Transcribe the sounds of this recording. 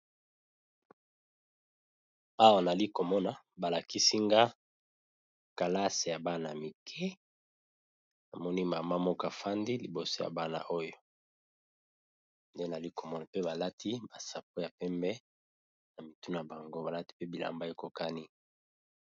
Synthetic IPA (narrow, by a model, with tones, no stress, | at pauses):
a˦wa˨na˨li˦ko˨mɔ˦na˨ | ba˨la˨ki˦si˦ŋɡa˦ | ka˨la˦se˨ja˨ba˦na˨mi˨kʰɛ˦ | na˨mɔ˦ni˦ma˨ma˦mɔ˦ka˨fa˦ndi˦li˨bo˨so˦ja̰˨ba˦na̰˨ʔo˦jo˨ | nde˦na˨li˦ko˨mɔ˦na˨pe˦ba˨la˦tʰi˦ba˨sa˨p̚o˦ja˨pɛ˦mbɛ˦ | na˨mi˨tu˦nu˨a˨ba˨ŋɡo˦ba˨la˦ti̥˦pe˦bi˨la̰˨mba˦e˨ko˨ka˦ni˦